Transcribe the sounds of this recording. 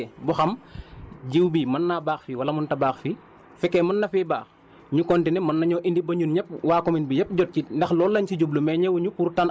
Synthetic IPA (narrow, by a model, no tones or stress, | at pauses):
buxɐm | ɟiwbimɐnːabaːxfiwɐlɐmuntɐbaːxfi | fɛkːɛmɐnːɐfiːbaːx | ɲukɔntinɛmɐnːɐɲɔːʔindibɐɲunɲɛp̚waːkɔminbiɲɛp̚ɟɔt̚cindɛxlɔːlːɐɲciɟublumɛɲɛwɲupuɾtan